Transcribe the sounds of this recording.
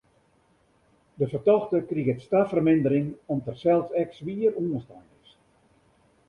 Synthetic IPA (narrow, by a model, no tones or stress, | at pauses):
dəfərtɔxtəkriɣətstafərmɪndəɾɪŋɔmtərsɛlˠsɛksʋiəruənstajnɪs